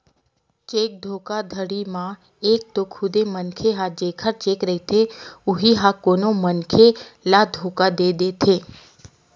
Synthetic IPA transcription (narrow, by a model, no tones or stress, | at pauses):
t͡ʃeːk̚d̪ʱoːkad̪ʱəɽimã | eːk̚t̪okʰʊd̪emənkʰeɦad͡ʒeːkʰəɾt͡ʃeːkɾəɦit̪ʰeʊɦiɦakoːnomənkʰelad̪ʱoːkad̪eːd̪et̪ʰeː